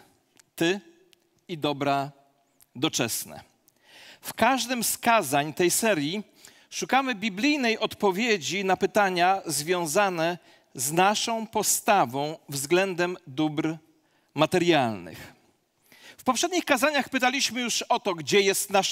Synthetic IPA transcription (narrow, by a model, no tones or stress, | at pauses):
t̪ɘ | id̪ɔbɾa | d̪ɔt͡ʂɛsnɛ̰ | fkaʐd̪ɘmskazaɲt̪ɛjsɛɾʲji | ʂukamɘbʲiblʲijnɛjʔɔt̪pɔvʲjed͡ʑinapɘt̪aɲazvʲjɔ̃w̃zanɛ | znaʂɔ̃w̃pɔst̪avɔ̃w̃vzɡlɛnd̪ɛmd̪ubɾ | mat̪ɛɾjalnɘ̰x | fpɔpʂɛd̪̚ɲixkazaɲaxpɘt̪alʲiɕmɘjuʂɔt̪ɔɡd͡ʑɛjɛst̪na